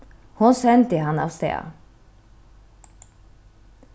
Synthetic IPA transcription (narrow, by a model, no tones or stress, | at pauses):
hʊnsɛnt̪əɦanɑ̰ʋst̪ḛːa̰